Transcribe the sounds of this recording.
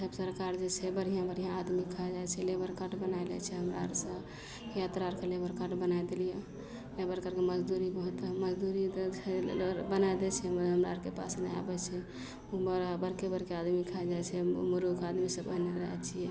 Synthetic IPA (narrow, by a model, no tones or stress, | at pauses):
səbsəɾkaɾd͡ʒet͡ʃʰɛbəɽ̤ijãbəɽ̤ijãːd̪mikʰad͡ʒajt͡ʃʰɛlebəɾkəʈbənaelɛ̰t͡ʃʰɛɦəmɾa̰ɾsə̃ | jat̪ɾaɾkelebəɾkəɾʈbənajd̪elije | lebəɾkəʈkeməd͡ʒd̪uɾibəɦut̪məd͡ʒd̪uɾit͡ʃʰɛbənaed̪ɛt͡ʃʰɛɦəmɾa̰ɾkepa̰snea̰bɛt͡ʃʰɛ | ubəɾbəɾkebəɾkead̪mikʰaɛd͡ʒajt͡ʃʰɛmuɾukad̪misə̃bəɦneɾəɦɛt͡ʃʰijɛ